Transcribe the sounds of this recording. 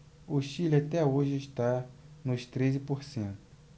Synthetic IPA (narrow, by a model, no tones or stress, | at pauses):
ʊʃilat̪ɛoʒɪɪʃt̪anʊʃt̪ɾezɪpoɾsẽnt̪ʊ̥